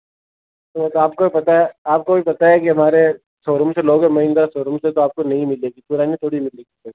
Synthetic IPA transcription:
t̪ot̪aːp̚kobʱipɐt̪aɦɛaːp̚kobʱipɐt̪aɦɛkiɦɐmaːɾe | soːɾʊmseloːɡɛmɐɦĩnd̪ɾasoːɾʊmset̪oaːp̚konɐɦĩmɪleːɡipuːɾaːnit̪ʰoːɽimɪleːɡisɐ

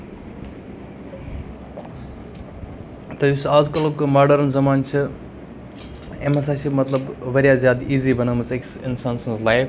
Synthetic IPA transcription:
t̪ɐjusaːzkɐlokɨmaːɾɖɐɾnzɐmaːnt͡ʃʰi | emesaʃimɐt̪lɐbʋɐɾijaːzjaːd̪iːziːbɐnɐmɨt͡seksɪnsansɐnzlajf

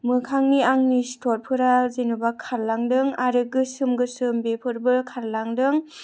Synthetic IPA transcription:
mɯkʰaŋniaŋnistʰɔt̚pʰɯɾazenubakʰaɾlaŋdɯŋaɾɯkɡɯsɯmɡɯsɯmbepʰɯɾbɯlkʰaɾlaŋdɯŋ

